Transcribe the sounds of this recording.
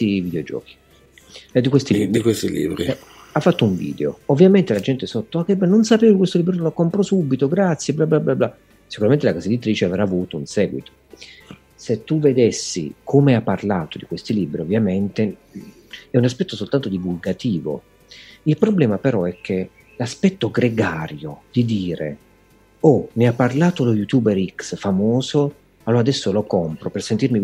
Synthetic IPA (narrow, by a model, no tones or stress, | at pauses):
ivid̪eod͡ʒɔ̰ːki̥ | ɛd̪ikwest̪iliːbikwest̪ilḭbɾi | afːat̪ːouɱvḭːd̪eo̰ovːjament̪elad͡ʒɛnt̪ɪsot̪ːoakːɛbːɛnːonsapeːvokɪkwest̪oliːbɾonolakːompɾɔsubːit̪oɡɾat̪sːjeblablablabla | si̥kuɾament̪elakazed̪it̪ːɾiːt͡ʃeavɾaːvuːt̪ounsɛːɡwit̪o̥ | set̪ːuved̪esːḭkʰomeapːarlaːt̪od̪ikwest̪iliːbɾiovːjament̪e | ɛunaspɛt̪ːosolt̪ant̪od̪ivulɡat̪iːvo̰ | ilpɾoblɛːmapeɾɔɛk̟ːe | laspɛt̪ːoɡɾeɡaːɾjod̪̥id̪iːɾḛ | ɔmiapːarlaːt̪olojut̪uːbeɾiksfamoːzo | aloɾad̪ɛsːolokɔmpɾopersent̪irmi